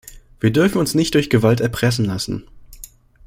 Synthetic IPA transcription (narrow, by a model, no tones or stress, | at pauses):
v̥iːɐdʏɐfn̩ʊnsnɪçt̚d̥ʊɐçɡ̥əvaltɛɐpʁ̥ɛsn̩lasn̩